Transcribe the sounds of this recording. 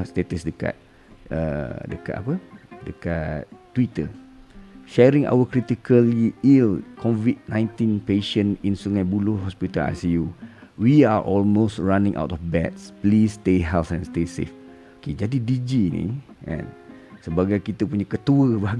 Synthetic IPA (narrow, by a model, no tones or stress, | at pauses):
st̪et̪əsdəka̰t̪̚ | ʔə̰dəka̰t̪a̰pədəkat̪̚t̪ːwit̪ə | ʃɛɾĩŋʔa̰wəkɾit̪ikʰəliilkʰɔvit̪̚nãj̃nt̪inpeʃə̃nĩnsuŋajbuloɦɔspit̪ala̰siju | wiaʔɔlmostɹanĩŋʔa̰wtɔfbɛt̪̚splist̪eɦɛlsɛ̃nst̪esḛf | oked͡ʒadidid͡ʒinḭ̃ | ʔɛ̰̃n | səbaɡajkit̪əpuɲãkət̪uəbaɡ